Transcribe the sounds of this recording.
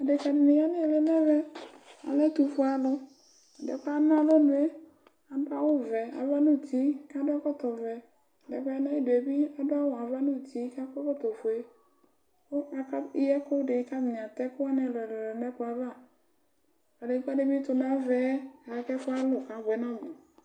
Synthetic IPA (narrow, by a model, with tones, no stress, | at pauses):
a˨de˨ka˨m˨nɪ̃˨ja˦nɪ˦˨lɛ˦nɛ˦vɛ˦a̰˨lɛ˦t̪u˨fʊ˦a˨lʊ˦ | a˨dɛ̰˨˦ka˦nʊ̃˦a˨lo˦dʊ˨˦e˦ | a˨da˦wʊ˦vɛ˨a̰˨va˦nũ˦˨t̪i˨˦ka˦dʊ˦a˦kɔ˦t̪ɔ˨vɛ˨ | dɛ˨ka˦ɛ˦nã˦i˦de˨bi˦a˨dʊ˦a˦wɔ˨a˨va˦nũ˦˨t̪i˨˦ka˦kɔ˦kɔ˦t̪ɔ˨fo˨e˦ | wo˦a˨ka˦i˦jɛ˦ko˦ɖɪ˨˦ka˦mi˨ɲ˨ã˨t̪ɛ˦kʊ˦a˦nɛ̃˨lɔ˨lɛ˨lɔ˨nɛ˦kʊ˨˦a˨va˦˨ | a˨de˨˦ka˦de˦bi˦t̪ʊ˨nã˦vɛ˦a˨˦kɛ˦fʊ˦a˦lʊ˨ka˨bɛ˨nã˦mʊ˨